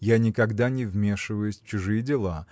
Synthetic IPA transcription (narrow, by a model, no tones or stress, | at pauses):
janʲɪkɐɡd̪anʲɪvmʲe̞ʂɨvəjʊsʲt͡ɕʊʐɨjɪdʲɪlˠa